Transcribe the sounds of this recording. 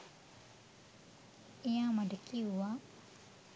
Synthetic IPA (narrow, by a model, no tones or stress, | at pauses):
ijãmadəkiuwa